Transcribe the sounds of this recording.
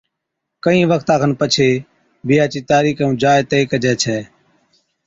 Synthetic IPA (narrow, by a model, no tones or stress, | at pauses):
kəĩːʋəkʰt̪ãːkʰənpət͡ʃʰeː | bɪjaːt͡ʃiːt̪aːɾiːkːũːd͡ʒaːet̪eiːkəd͡ʒɛːt͡ʃʰɛː